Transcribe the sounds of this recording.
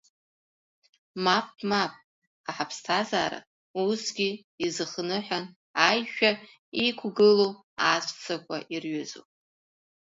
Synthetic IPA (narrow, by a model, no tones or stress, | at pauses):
map̚ʼʰmap̚ʼ | aħapʰstʰazaːɾa̰ | usɡʲi | izɨχnɨħʷᶣan | ajʃᶣa | ikʷʰɡɨlo | asʷʼt͡sʰakʷʰaʔirɥʏzo̰pʼ